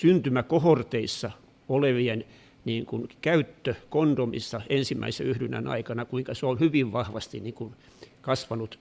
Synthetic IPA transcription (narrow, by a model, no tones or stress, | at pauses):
synt̪ymækohort̪eisːɑ | oleʋien | niːŋkunkæyt̪ːøkond̥̪omḭsːɑensimːæ̰isḛyhdynæ̰nɑ̰ikɑnɑkuiŋkɑseonhyʋiʋʋɑhʋɑst̪inniŋkun | kɑsʋɑnut̪